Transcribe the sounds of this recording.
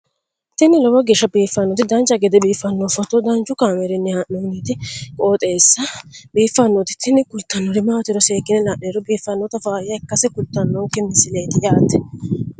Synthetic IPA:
t̪ɪnːɪlɔwɐɡɛʃɐbiːfːɐnːɔt̪ɪd̪ɐnt͡ʃɐɡɛd̪ɛbiːfːɐnːɔfɔt̪ːɔd̪ɐnt͡ʃːʊkaːmɛɾɪnːɪhɐʔoːniːt̪ɪkʼoːt̪ʼeːsːɐbiːfːɐnːɔt̪ɪ̥t̪ʰːɪnːɪkʊlt̪ːɐnːɔɾɪmawt̪ɪɾɔseːɡɪnɛlaʔeːɾɔbiːfːɐnːɔt̪ɐfaːjɐɛkːɐsɛkʊlt̪ːɐnːɔŋkɛmɪsɪleːd̪ɪjaːt̪ːɛ̥

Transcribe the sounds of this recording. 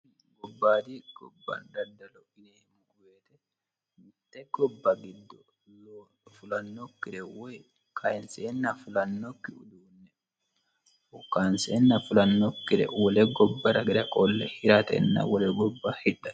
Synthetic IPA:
ɡɔbːaːd̪iɡ̥ɔbːa̰nd̪ɐd̪ɐlɔʔɪneːmʊɡʊweːt̪ɛ | mɪt̪ːɛɡɔbːɐɡɪd̪ːɔ | lo | fʊlɐnːɔkːɪɾɛwɛ | kʰaɪnseːnːɐfʊlɐnːɔkːɪʊ̰d̪uːnːɛ | ɔkːanseːnːɐfʊlɐnːɔkːɪɾɛ̰wɔlɛɡɔbːɐɾɐɡɪd̪ɐkʼɔlːɛhɪɾat̪ɛ̰nːɐ̰wɔlɛɡɔbːahɪᶑɐ

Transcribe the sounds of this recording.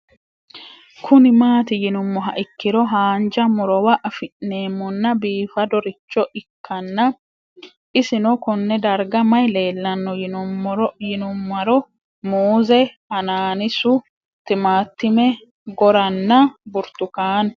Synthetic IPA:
kʰʊnɪmaːt̪ɪjɪnʊmːɔɦɐ̰ʔɪkːɪɾɔɦaːnd͡ʒɐmʊɾɔwɐʔɐfɪnːe̞ːmːɔnːɐbiːfɐd̪ɔɾɪt͡ʃːɔʔɪkːɐnːɐ | ʔɪsɪnɔkɔnːɛd̪ɐɾɡɐmɐjle̞ːlːɐnːɔjɪnʊɔɾɔjɪnʊmːɐɾɔ | muːzɛhɐnaːnɪsʊ | t̪ɪmaːt̪ːɪmɛ | ɡɔɾɐnːɐbʊɾt̪ʊkaːn

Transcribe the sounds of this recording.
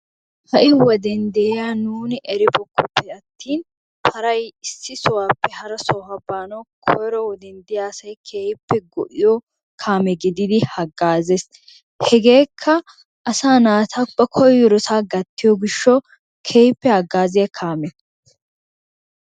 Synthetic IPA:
hɐʔɪwɔd̪ɛnd̪ɛjaːnuːnɪʔɛɾɪbɔkːʊpːɛɐt̪ːiːn | pʰɐɾɐjɪsːɪsɔwaːpːɛhɐɾɐsɔːhɐbaːnɐkʰɔjɾɔwɔd̪ɛnd̪ɪjaːsɐjkʰeːjpːɛɡɔ̰ʔɪjɔ | kʰaːmɛɡɪd̪ɪd̪ɪhɐɡːaːzes | hɛɡe̞ːkʰːɐ | ʔɐsaːnaːt̪ʰabɐkʰɔjːɔɾɔsaːɡɐt̪ːɪjɔɡɪʃːɔ | kʰeːjɪpːɛhɐɡːaːzɪjɐkʰaːmɛ

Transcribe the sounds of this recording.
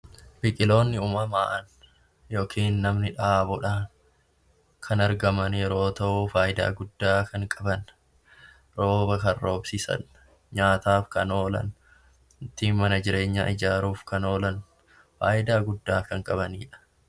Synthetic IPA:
bɪkʼɪlo̞ːnːɪʊmɐmaːʔɐn | jo̞ːkʰiːnːɐmnɪᶑaːbʊᶑaːn | kʰɐnɐɾɡɐmɐnjɛɾo̞ːt̪ɐʔufaːjɪd̪a̰ːɡʊdːaːkɐŋkʼɐbɐn | ɾo̞ːbɐkɐrːo̞ːbsɪsɐ̰n | ɲaːt̪aːfkɐno̞ːlɐ̰n | nt̪iːnmɐnɐd͡ʒɪɾe̞ːɲːa̰ːʔɪd͡ʒaːɾuːfkɐno̞ːlɐn | faːʔɪd̪aːɡʊdːaːkɐŋkʼɐβɐniːᶑɐ̥

